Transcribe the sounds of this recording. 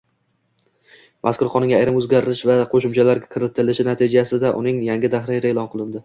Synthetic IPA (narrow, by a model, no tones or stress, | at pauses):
mʔaskʊɾqʰɒnɪŋʲɡʲaːjɾɪmɵzɡʲaɾɪɾɪʃvaqʰoʃɪmt͡ʃʰalaɾɡʲakʰɨɾɪt̪ʰɪlɪʃɪnat̪ʰid͡ʒasɪd̪aʔʊ̰nɪŋjaŋɡʲɪd̪ahɾaɾaelˠɒnqʰɨlˠɪnd̪ɪ